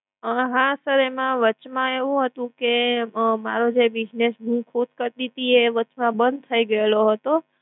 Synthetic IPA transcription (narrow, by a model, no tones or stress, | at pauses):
əɦãsəɾemãʋət͡ʃmãeʋũɦət̪ũkema̰ɾod͡ʒebid͡ʒnesɦũkʰut̪kəɾlit̪ieʋət͡ʃmãbənd̪̚t̪ʰəiɡəeloɦət̪o